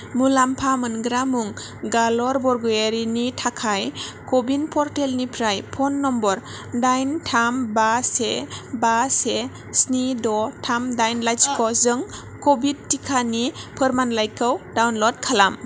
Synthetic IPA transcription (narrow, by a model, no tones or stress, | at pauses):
mulampʰamɯnɡɾamuŋ | ɡalɔɾbɔɾɡɔjeɾinitʰakʰajkɔbinpʰɔɾtelnipʰɾajpʰɔnːɔmbɔɾ | dajntʰambasebase | snidɔtʰamdajnlajsi̥kɔzɯŋ | kɔbit̚tːikʰanipʰɯɾmanlajkɯwdawnlɔd̚kʰalam